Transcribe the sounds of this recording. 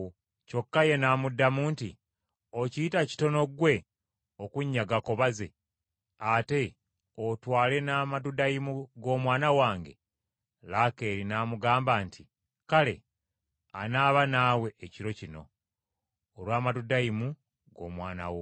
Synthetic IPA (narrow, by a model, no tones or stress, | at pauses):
co̞kːaje̞namudːamuːnti | ociitaci̥to̞no̞ɡwe̞ | okuɲːaɡako̞βaze̞̰ | ate̞ | otwaːle̞naːmadudajimuɡo̞ːmwaːnawaːŋɡe̞̰ | lake̞ːɾinaːmuɡaːmbaːnti | kale̞̰ | a̰naːβanaːwe̞ːciɾo̞cino̞̰ | lwaːmadudaimu | ɡo̞̰mwaːna̰wo